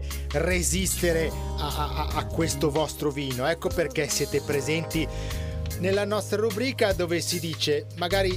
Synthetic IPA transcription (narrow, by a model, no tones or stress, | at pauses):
rezist̪eɾeaaaakːwest̪ovɔst̪ɾoviːnoɛkːoperk̟esːjeːt̪epɾezɛnt̪i | nelːanɔst̪ɾaɾubɾiːkad̪oːvesid̪iːt͡ʃemaɡaːɾi